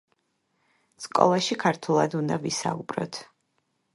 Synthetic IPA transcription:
skʼɔ̰lˠaʃikʰaɾt̪ʰulˠad̪und̪avisa̰ubɾɔ̰t̪ʰ

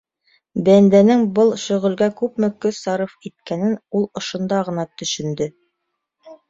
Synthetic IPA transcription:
bænd̪ænɘŋbɤlˠʃɵ̆ʁɵ̆lɡækʉpmɘ̆kɵsɑɾɤfit̪̚kænɘnulˠŏʃŏnd̪ɑʁɤ̆nɑt̪ɵ̆ʃɵ̆nd̪ɵ

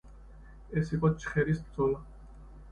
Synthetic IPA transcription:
ɛsiqʼɔt͡ʃʰʼχɛɾisbɾd̪zɔla

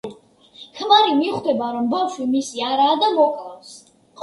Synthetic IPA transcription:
kʰmaɾimiχd̪ɛbaɾɔmbavʃwimisiaɾaːd̪amɔkʼɾafs | χ

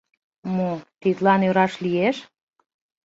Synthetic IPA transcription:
mot̪it̪lɑnøɾɑʃlijeʃ

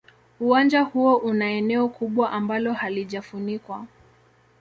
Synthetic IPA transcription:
uwand͡ʒahuɔʔunaɛnɛɔkʰuɓwaʔambalɔhaliʄafunikwa

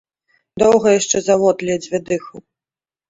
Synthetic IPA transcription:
d̪ɔwɣɐjaʂt͡ʂɛzavɔt̪lʲid͡zʲvʲɛd̪ɨxu

